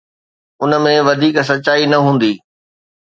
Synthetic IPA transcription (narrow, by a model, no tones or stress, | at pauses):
ʊnə̆mẽʋɐd̪ʱiːks̬ɐtːt͡ɕaːinɐɦũːn̆d̪iː